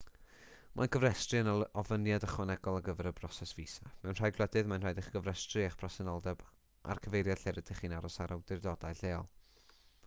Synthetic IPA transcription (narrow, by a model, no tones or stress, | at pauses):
mʔa̰nkʰəvrɛstrɨənɔvənjadəχwɔnɛɡɔlˠaɡəvɛɾəbrɔsɛsviːsamɛwnraːjɡlˠɛdɨðmanrajdɪχɡ̥əvrɛstriaχb̥ʰrɔsɛnɔlˠdɛb | ʔa̰rkʰəvejɾjad̥ɬeɾəd̥ɪχiːnaɾɔsaɾʔawdɪrdɔdajɬeːɔlˠ